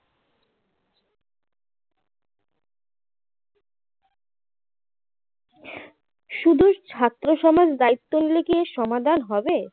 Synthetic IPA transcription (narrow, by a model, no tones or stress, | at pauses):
ʃud̪ʱuɾt͡ɕʰat̪ːɾoʃɔmad͡ʑd̪ait̪ːonlekijeʃɔmad̪ʱanɦɔbe